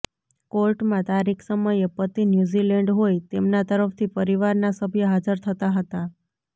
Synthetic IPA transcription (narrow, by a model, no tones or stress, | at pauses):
koɾʈmãt̪aɾikʰsəməjepət̪injuzilɛɳɖɦojt̪emnat̪əɾəft̪ʰipəɾiʋaɾnasəbʱjəɦad͡ʒəɾt̪ʰət̪aɦət̪a